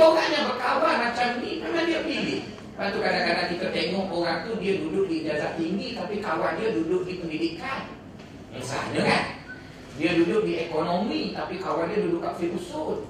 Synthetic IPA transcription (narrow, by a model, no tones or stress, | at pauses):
oɾaɲabərkawarmat͡ʃamdimamadiapəndilɪ | mat̪ukadakadaʔt̪ikət̪eŋɔʔoɾaŋt̪udiadudʊk̚did͡ʒasaʔt̪iŋɡit̪apikawandiadudʊk̚dipəndidikan | ja̰ŋsa̰ɲakan | diadudʊk̚diekonomit̪apikawandiadudʊʔkaʔfilusʊt̪̚